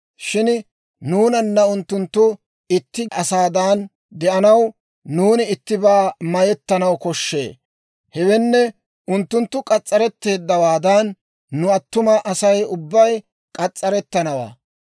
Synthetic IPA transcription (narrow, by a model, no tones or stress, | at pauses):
ʃɪn | nuːnɐnːɐʊnt̪ːʊnt̪ːʊ | ɪt̪ːɪɐsaːd̪aːn | d̪ɛʔɐnɐwː | uːnɪɪt̪ːɪbaːmɐjɛt̪ːɐnɐwkɔʃːḛː | hɛwɛnːɛ | ʊnt̪ːʊnt̪ːʊkʼɐt͡sʼːɐɾɛt̪ːe̞ːd̪ːɐwaːd̪ɐnː | ʊɐt̪ːʊmɐʔɐsɐjʊbːɐj | kʼɐt͡sʼːɐɾɛt̪ːɐnɐwa̰ː